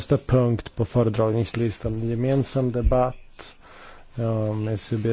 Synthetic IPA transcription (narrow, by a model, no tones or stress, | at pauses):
st̪apʰɵŋkt̪pʰɔfœːɾəd̪ɾɑːɡnɪŋslɪst̪anɛnjɛmeːnsamd̪ɛbat̪ː | ɔmɛsebeː